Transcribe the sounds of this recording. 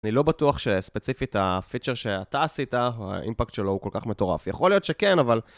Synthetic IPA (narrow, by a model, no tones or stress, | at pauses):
nilo̞batuaχʃe̞spet͡sifitafit͡ʃeʁʃeataːsitaa̰ʔḭmpakt̪ʃelo̞uko̞lkaχme̞to̞ʁa̰fjaχo̞lijo̞t̪ʃekenaval